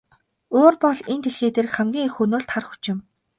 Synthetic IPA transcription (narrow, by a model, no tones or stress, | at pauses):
oːrpɔɮent̪ʰeɮxeːt̪erχæmɡʲiːŋxunoːɮt̪ʰχarxu̥t͡ɕɪ̆m